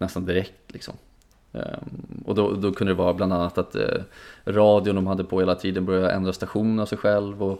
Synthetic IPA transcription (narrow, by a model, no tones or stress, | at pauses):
nɛst̪and̪ɪɾɛk̚t̪lɪksɔ̰m | ɔ̰d̪ɔd̪ɔkʰɵnd̪əd̪ɛvɑːɾabland̪anːat̪at̪ | ɾɑːd̪ɪjʊnd̪ɔmɦad̪ːəpʰɔheːlat̪ʰiːd̪ənbœɾjaʔɛ̰nd̪ɾast̪aɧuːnənavsɛjɧɛlvɔ